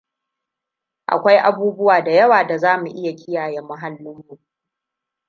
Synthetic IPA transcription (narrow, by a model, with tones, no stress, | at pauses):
ʔa̰˨kʷa˦jʔa˦buː˦bʊ˦waː˨da˨jɐ˦waː˨da˨zaː˦mu˨ʔɪ˦ja˨kʲɪ˦jaː˨jɛ˦mːʊ˦ɦa˦lːʊ˦mːuː˦